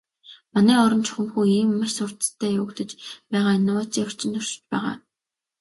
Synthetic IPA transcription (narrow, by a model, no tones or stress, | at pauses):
manæːɔɾɞ̆nt͡ɕʰʊ̥xə̆mxuːiːmːaʃsʊr̥t̪ə̥̆t̪ʰːæːjʊːkt̪ə̆t͡ɕpæːʁaːnʊːt͡siʊ̥r̥t͡ɕɪ̆nt̪ʰʊrʃɪ̥̆t͡ɕpæːʁa̰ː